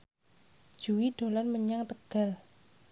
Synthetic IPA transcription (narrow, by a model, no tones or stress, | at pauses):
d̥ʒ̥uwiɖ̪̥o̤lanməɲaŋt̪əɡ̥a̤l